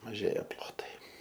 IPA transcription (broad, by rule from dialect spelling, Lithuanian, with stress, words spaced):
mɐˈʒʲeːjɛ ˈplˠoːtɐɪ